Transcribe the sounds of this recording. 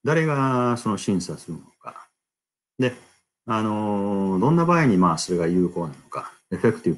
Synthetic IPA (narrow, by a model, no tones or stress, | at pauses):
d̪aɾe̞ɡaso̞no̞ɕĩɰ̃sasɨɾɯmooka̰ | d̪e̞ | ano̞d̪õ̞nːabaːiɲ̟imaːso̞ɾe̞ɡajɯ̟ːko̞ːnano̞ka̰ | e̞ɸe̞kɯ̟t̪i